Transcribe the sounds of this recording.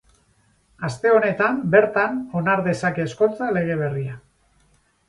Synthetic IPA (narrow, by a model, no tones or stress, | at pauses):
ast̪e̞o̞ne̞t̪ambe̞ɾt̪ano̞naɾðe̞sake̞ːsko̞nt͡sale̞ɣ̞e̞β̞e̞ria